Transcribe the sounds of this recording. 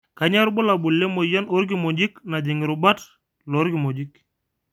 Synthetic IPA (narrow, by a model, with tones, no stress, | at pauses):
ka˨ɲa˦ɾbʊ˦la˨bʊ˨lːe˦mo˨ja˦no˦ɾɡ̬i˦˨mo˨d͡ʒi˦kna˨d͡ʒi˨ŋɪ˨ɾʊ˨ba˦t | lɔ˨˦ɾki˨mo˨d͡ʒi˦k